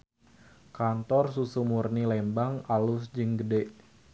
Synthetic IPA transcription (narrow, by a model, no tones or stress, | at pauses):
kant̪ɔrsusumurnilɛmbaŋalusd͡ʒɨŋɡədɛʔ